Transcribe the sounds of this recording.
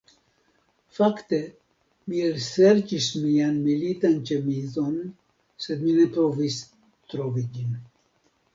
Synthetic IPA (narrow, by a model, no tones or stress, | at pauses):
fakt̪e | miɾsɛɾt͡ʃiʃmijanmilit̪ant͡ʃɛmizɔn | sɛd̪minɛpɾɔvis | t̪ɾɔvid͡ʒin